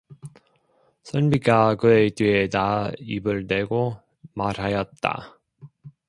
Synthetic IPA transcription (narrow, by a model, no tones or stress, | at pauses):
sʰɯnbiɡakɯetɥietaibɯɭdwe̞ɡo | maɾɦajʌt̚t͈a̰